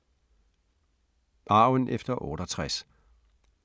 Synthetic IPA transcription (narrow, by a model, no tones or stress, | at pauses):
b̥ɑ̈ʊənʔefd̥ɐʔɔ̰ːɾ̥ɒt͡sʰʁɛs